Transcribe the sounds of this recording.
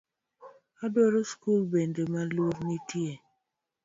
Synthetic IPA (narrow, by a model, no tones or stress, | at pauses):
adwɔɾoskulbendemaloɾnitje